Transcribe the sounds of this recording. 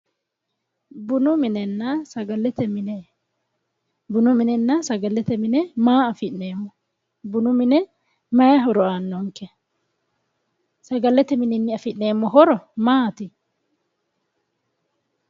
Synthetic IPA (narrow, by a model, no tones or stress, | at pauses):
bʊnʊmɪnɛnːasɐɡɐlːɛt̪ɛmɪ | bʊnʊmɪnɛnːɐsɐɡɐlːɛt̪ɛmɪnɛmaːɐfɪʔeːmːɔ | bʊnʊmɪnɛ | mɐjɐɦɔɾɔaːnːɔŋkɛ | sɐɡɐlːɛt̪ɛmɪnɪnːɪɐfɪʔnːeːmːɔɦɔɾɔmaːɐt̪ɪ